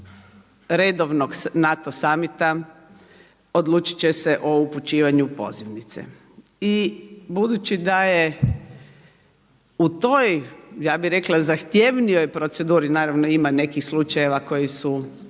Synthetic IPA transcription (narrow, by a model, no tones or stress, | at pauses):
ɾed̪oʋnoɡnat̪osamit̪a | od̪lˠuːt͡ʃi̥t͡ɕeseʔouput͡ʃiːʋaɲupo̞̰ziʋnit̪sḛ | ibud̪ut͡ʃid̪aje | ut̪o̞jjaːbiɾe̞klazaxt̪je̞ʋnijo̞jpɾo̞t̪se̞d̪uːɾinaːɾaʋnoimane̞kixslˠut͡ʃaje̞ʋako̞jisu